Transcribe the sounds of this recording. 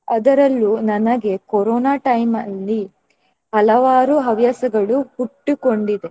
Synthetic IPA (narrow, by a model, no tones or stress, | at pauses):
ɐd̪ɐɾɐlːunɐnɐɡe̞kɔɾɔːnaːʈɐjmɐlːi | ɦɐlɐʋaːɾuɦɐʋjɐsɐɡɐɭuhuʈːuko̞ɳɖid̪e